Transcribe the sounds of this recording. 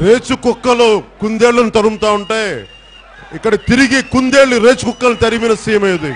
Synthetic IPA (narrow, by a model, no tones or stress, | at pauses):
ɾe̞ːt͡ʃukukːɐlukund̪eːɭːɐnit̪ɐɾumt̪aːuɳʈeː | ikːɐɽɐt̪iɾiɡikund̪e̞ːɭuɾeːt͡ʃukukːɐlut̪ɐɾiminɐsiːjɐmeːd̪i